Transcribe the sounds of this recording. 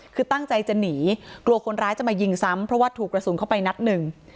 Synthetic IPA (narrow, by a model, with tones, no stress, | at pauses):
kʰɯː˧t̪a˥˩ŋt͡ɕa˧jt͡ɕa˨˩niː˩˦klu˧ɐkʰo˧nɾaː˦˥jt͡ɕa˨˩maː˧ji˧ŋsa˦˥mpʰɾɔ˦˥waː˥˩t̪ʰuː˨˩kːɾa˧suː˩˦kʰwpa˧jna˦˥t̪̚nɯ˨˩ŋ